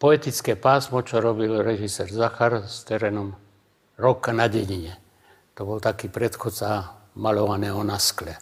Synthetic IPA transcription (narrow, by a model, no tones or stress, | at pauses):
pɔɛt̪it͡skɛːpaːsmɔt͡ʃɔɾɔbilɾɛʒisɛːɾzaxaɾst̪ɛɾɛːnɔm | ɾɔkanaɟɛɲiɲɛ | t̪ɔbɔlt̪akiːpɾɛt̪xɔt̪t͡samalɔʋanɛːɦɔnasklɛ